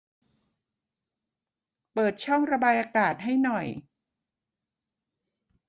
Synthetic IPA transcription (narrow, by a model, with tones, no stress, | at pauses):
pɤː˨˩t̪̚t͡ɕʰɔ˥˩ŋɾa˧baː˧jʔaː˧kaː˨˩t̪̚ɦa˥˩jnɔ˨˩j